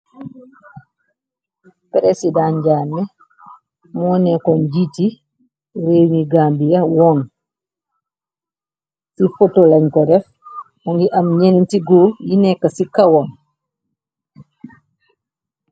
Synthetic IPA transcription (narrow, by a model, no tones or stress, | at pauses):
pɾɛsidãnɟaːmːɛ | mɔːnɛkɔnɟiti | ɾeːmiɡaːmbijɐwɔːn | sifɔtolɐɲkɔɾɛf | mɔŋɡiʔɐmɲenintiɡojinɛkːasikawɔn